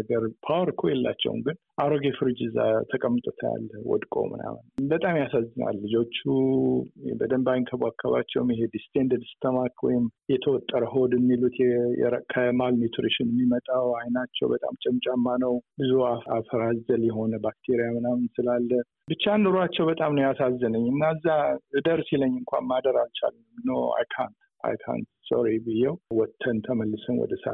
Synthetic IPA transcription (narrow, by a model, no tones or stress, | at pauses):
ɡəɾpʰawɾkʰojɛlːa̰t͡ʃːɛ̰w̰ŋɡɨn | ʔaɾoɡefɨɾɨd͡ʒɨzːa̰t̪ʰəkʼəmːt̪ʼot̪ʰa̰lːwɔ̰d̪kʼo̞̰mɨ̰na̰mnbət̪ʼamjasazːɨna̰lːɨd͡ʒo̞t͡ʃːu | bəd̪əmbajnkʰəbakʰːaβa̰t͡ʃːɛ̰wmjɦed̪ist̪ʰend̪əd̪st̪ʰomakwɔ̰jɪmjɛt̪ʰəwɔt̪ʼːəɾəɦo̞d̪ɪmːilut̪ʰjɛ̰əkʰəmalmet̪ʰuɾiʃɪnɛmːimət̪ʼawajnat͡ʃːɛ̰wbət̪ʼa̰mt͡ʃʼɛmt͡ʃʼamːanəwbɨzuaafəɾazəljɛɦo̞nəbak̚t̪ʰeɾijamɨnamɨnsɨlalːə | bɨt͡ʃːanːuɾuat͡ʃːɛwbət̪ʼamnəwjasazːənəɲːɨnːazːaɨd̪əɾsiləɲːɨŋkʷʰa̰nmad̪əɾalt͡ʃʰa̰l | mnəwa̰jkʰant̪ | a̰jkʰa̰nt̪so̰ɾibɨjːɛwwɔt̪ʰːənt̪ʰəməlːɨsənwɔ̰d̪əsa̰